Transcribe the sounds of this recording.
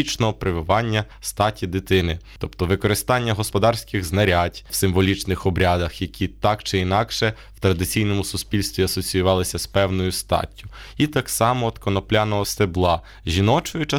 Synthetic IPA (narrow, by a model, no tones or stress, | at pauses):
it͡ʃnɔɦɔpɾɪʋɪʋɑnʲːɐ | st̪ɑtʲid̪ɪt̪ɪnɪt̪ɔpt̪ɔʋɪkɔɾɪst̪ɑnʲːɐɦɔspɔd̪ɑrsʲkɪɣznɐɾʲatʲwsɪmʋɔlʲit͡ʃnɪxɔbɾʲad̪ɐxjɐkʲʰit̪ɑkt͡ʃɪinɑkʃɛ | w̥t̪ɾɐd̪ɪt͡sʲijnɔmʊsʊspʲilʲst̪ʋʲiɐsɔt͡sʲijʊʋɑlˠɪsʲɐspɛwnɔjʊst̪ɑ̰tʲːʊ | it̪ɑksɑmɔːd̪kɔnɔplʲanɔɦɔst̪eblˠɑ | ʒʲinɔt͡ʃɔjʊt͡ʃɐ